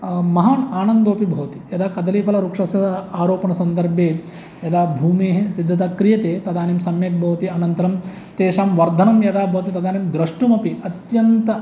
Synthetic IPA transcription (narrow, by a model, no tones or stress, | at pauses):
mɐɦaːnaːnɐnd̪oːpibʱɐːʋt̪i̥jɐd̪aːkɐd̪ɐliːpʰɐlɐɾuːkʂɐsɐaːɾoːpɐɳɐsɐnd̪ɐɾbʱjeː | jɐd̪aːbʱuːmeːɦesid̪ʱːɐt̪aːkɾijɐt̪eːt̪ɐd̪aːnimsɐmjɐk̚bʱɐːɐt̪iɐnɐnt̪ɐɾɐm | t̪eːʂaːmʋɐɾd̪ʱɐnɐmjɐd̪aːbʱɐʋɐt̪it̪ɐd̪aːnemd̪ɾɐʂʈumɐpiɐt̪jɐnt̪ɐ